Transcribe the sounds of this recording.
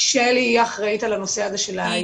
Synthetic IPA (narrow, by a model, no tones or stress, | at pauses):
ʃeliaχʁajit̪alano̞se̞aze̞ʃela